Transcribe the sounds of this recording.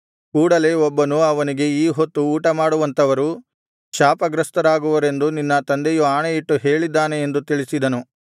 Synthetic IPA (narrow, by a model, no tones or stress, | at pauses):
kuːɽɐle̞ːɔbːɐnuɐʋɐniɡe̞iːɦo̞t̪ːuːʈɐmaːɽuʋɐnt̪ɐʋɐɾu | ʃaːpɐɡɾɐst̪ɐɾaːɡuʋɐɾe̞nd̪uninːɐt̪ɐnd̪ejuaːɳejiʈːuɦe̞ːɭid̪ːaːne̞end̪ut̪iɭisid̪ɐnu